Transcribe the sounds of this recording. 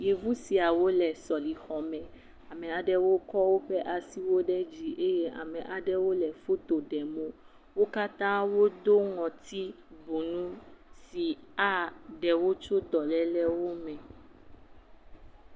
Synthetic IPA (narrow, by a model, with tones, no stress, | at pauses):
je˨vu˦si˨a˨wo˦lɛ˨sɔ˨li˨xɔ˨mɛ̃˨ | a˨mɛ̃˨a˨ɖɛ˦wo˦kɔ˦wo˦ɸɛ˦ʔa˨si˦wo˦ɖɛ˦d͡ʒi˦ʔe˦je˦a̰˨mɛ̃˨ʔa˨ɖɛ˦wo˦lɛ˨fo˦t̪o˨ɖɛ˨mõ˦ | wo˦ka˦t̪ã˦wo˦d̪o˦ŋɔ̃˨t̪i˦ | bu˨nũ˦si˨a˦ɖɛ˨wo˦t͡ʃo˦d̪ɔ˨lɛ˦lɛ˦wo˦mɛ̃˨